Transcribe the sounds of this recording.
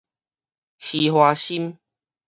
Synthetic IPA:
xi˨˧hwaː˧ɕi˦m

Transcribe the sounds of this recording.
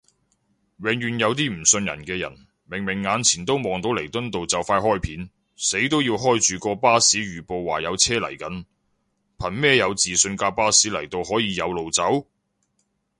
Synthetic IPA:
wɛː˨ŋɥyː˨˩njɐ˨˧wt̪̬iː˥m̩˨˩sɵ˧njɐ̰˨˩nkɛː˧jɐ̰˨˩n | mɪ˨˩ŋmɪ˨˩ŋːaː˨˧nt͡sʰiː˨˩nt̪o˥wmɔː˨˩ŋt̪o˨˥wle˨˩jt̪ɵ˥nt̪o˨wt͡sɐ˨wfaː˧jɦɔː˥jpʰiː˨˥n | se˨˥jt̪o˥wjiː˧wɦɔː˥jt͡ʃyː˨kɔː˧paː˥siː˨˥ɥyː˨˩po˨˧wːaː˨˩jɐ˨˧wt͡sʰɛː˥lɐ̰˨˩jkɐ˨˥n | pʰɐ˨˩nmɛː˥jɐ˨˧wt͡siː˨sɵ˧nkaː˧paː˥siː˨˥lɐ˨˩jt̪o˧whɔː˨˥jiː˨˧jɐ˨˧wlo˨wt͡sɐ˨˥w

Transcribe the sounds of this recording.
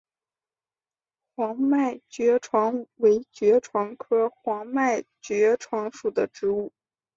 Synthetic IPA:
xwɑ˧˥ŋma˥˩ɪt͡ɕɥɛ˧˥ʈ͡ʂʰwɑ˧˥ŋwe˧˥ɪt͡ɕɥɛ˧˥ʈ͡ʂʰwɑ˧˥ŋkʰɤ˥xwɑ˧˥ŋma˥˩ɪt͡ɕɥɛ˧˥ʈ͡ʂʰwɑ˧˥ŋʂu˨˩d̪ə˦ʈ͡ʂɻ̩˧˥u˥˩

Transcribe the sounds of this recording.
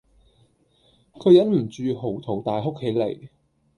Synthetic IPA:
kʰɵ˨˧ɥjɐ˨˥nm̩˨˩t͡ʃyː˨˧ɦo˨˩wt̪ʰo˨˩wt̪aː˨jɦo˥k̚he˨˥jle˨˩j

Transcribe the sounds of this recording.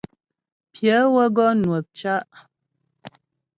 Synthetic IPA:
pʰjə˨˦wə˦ɡɔ˦nwə˨p̚t͡ʃa˦ʔ

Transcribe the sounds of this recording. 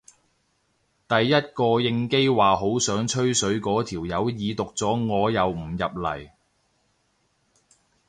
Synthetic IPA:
t̪ɐ˨jːɐ˥t̚kɔː˧jɪ˧ŋke˥jwaː˨ɦo˨˥wsœː˨˥ŋt͡ʃʰɵ˥ɥsɵ˨˥ɥkɔː˨˥t̪ʰiː˨˩wjɐ˨˧wjiː˨˧t̪ʊ˨k̚t͡sɔː˨˥ŋɔː˨˧jɐ˨˧wm̩˨˩jɐ˨p̚lɐ̰˨˩j

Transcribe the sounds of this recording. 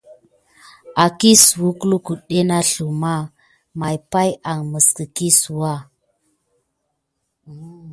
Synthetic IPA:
a˨ki˦su˨wu˦ku˦lu˦ku˨ɗe˦na˦ɬu˨ma˦˨ | ma˨jpa˦ja˨ŋmə˨skə˨ki˦su˨wa˦˨

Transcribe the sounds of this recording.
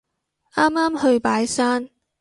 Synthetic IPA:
aː˥maː˥mhɵ˧ɥpaː˨˥jsaː˥n

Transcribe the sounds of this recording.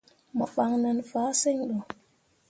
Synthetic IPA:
mɔ˨fa˨ŋna˨nfaː˨˦se˦˨ŋɗo˨

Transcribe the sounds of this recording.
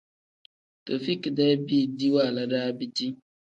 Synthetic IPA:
t̪o˨fi˦kdɛ˦bi˦di˦wa˦˨la˦ɖa˦bi˦d͡ʒi˦

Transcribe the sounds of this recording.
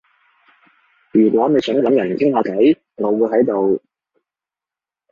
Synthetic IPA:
jyː˨˩kʷɔː˨˥ne˨˧jsœː˨˥ŋ˨lɐ˨˥mjɐ˨˩˨kʰɪ˥ŋhaː˨˧kɐ˨˥j | ŋo˨˧wu˨˧ɦɐ˨˥jt̪o˨w

